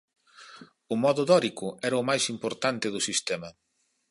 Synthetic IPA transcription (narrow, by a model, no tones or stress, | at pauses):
ʊmɔðʊðɔɾikʊɛɾɐʊmajsimpoɾt̪ant̪ɪðʊsist̪ɛmɐ